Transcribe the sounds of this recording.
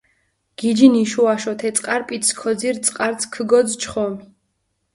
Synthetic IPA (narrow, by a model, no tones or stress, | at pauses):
ɡ̥id͡ʒiniʃuaʃɔt̪ʰɛt̪sʼqʼaɾpʼit̪ʰskʰɔd̪ziɾt̪sʼqʼaɾt̪sʰkʰəɡɔd̪zt͡ʃʰχɔmi